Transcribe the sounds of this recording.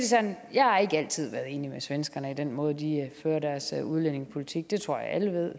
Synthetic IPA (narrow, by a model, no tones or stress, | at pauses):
isænjɑ̈ɪhɑ̈e̝ɡ̥əæl̰t͡sʰið̞̰ˠʋæɐðˠe̝̰ːnimesʋensɡ̥ɐnəid̥enmɔ̽ːð̞̩ˠd̥iføːɐd̥æɐsuð̞ˠlen̰e̝ŋspʰo̝lit͡sʰiɡ̥̚d̥e̝t͡sʰʁo̝ɐ̰jɑ̈ɪʔæləʋe̝ð̞̰ˠ